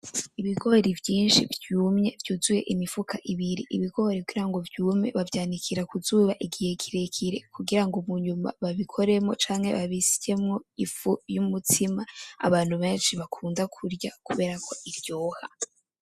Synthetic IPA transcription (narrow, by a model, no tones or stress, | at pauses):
iβiɡo̞ɾivjiːnʃḭvjuːmɲe̞vjuːzuje̞̰ʔimifukʰaʔiβiɾḭʔiβiɡo̞ɾikuɡiɾaŋɡo̞vjuːmɲe̞̰βavjaːnikʰiɾakuzuːβaʔiɡije̞kʰiɾekʰiɾe̞kʰuɡiɾaŋɡomuɲuma̰βaβikʰo̞ɾe̞mŋo̞̰t͡ʃaːŋhe̞̰βaβiscemŋo̞ifujumutʰimaa̰βaːn̥huβe̞ːnʃiβakʰuːndakʰuɾjakuβe̞ːɾakʰo̞ʔiɾjo̞ːha̰